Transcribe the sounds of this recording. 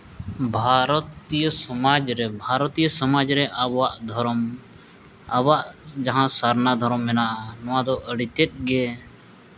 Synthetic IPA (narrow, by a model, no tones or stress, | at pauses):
bʱaɾɔt̪ijəsɔmad͡ʒɾɛbʱaɾɔt̪ijəsɔmad͡ʒɾɛʔabwaʔd̪ʱɔɾm | abaʔd͡ʒaɦãsaɾnad̪ʱɔɾɔmːɛnaʔnɔwad̪ɔʔəɽit̪ɛt̪̚ˀɡɛ